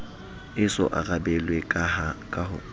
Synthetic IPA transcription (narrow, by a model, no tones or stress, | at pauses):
ɪsɔ̰ʔa̰rabɛlwekʼaakʼaɦʊ̰